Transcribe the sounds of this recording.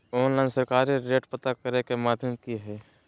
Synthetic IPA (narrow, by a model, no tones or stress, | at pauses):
ɔːnlaːɪnsəɾkaːɾiɾeːʈpət̪akəɾekemaːd̪ʱjəmkiɦɛː